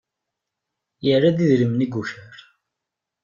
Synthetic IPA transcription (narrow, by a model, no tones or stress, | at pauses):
jərːaðiðɾəmniɡuçəɾ